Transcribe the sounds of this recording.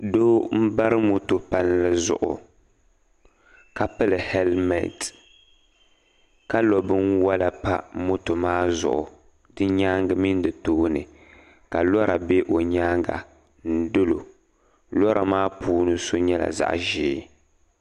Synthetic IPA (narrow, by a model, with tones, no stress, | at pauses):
doː˦m̩˦ba˦ɾɨ˦mo˦to˨pa˦llɨ˦zʊ̰˨ʔʊ̰˨ | ka˨pɨ˦lɨ˨hɛ˦lmɛ̰˨t | ka˦lɔ˨bɨ˦nwa˦la˨pa˦mo˦to˨maː˦zʊ̰˨ʔʊ̰˨ | dɨ˦ɲaː˦ŋɡɨ˦mi˦n˦dɨ˨toː˦nɨ̰˨ | ka˨lɔ˦ɾa˨be˦ʔo˨ɲaː˦ŋɡa̰˨ | n̩˦dɨ˦lo˨ | lɔ˦ɾʔa˨maː˦puː˦nɨ˦so˦ɲɛ˦la̰˨za̰˨ʔʒɪː˨˦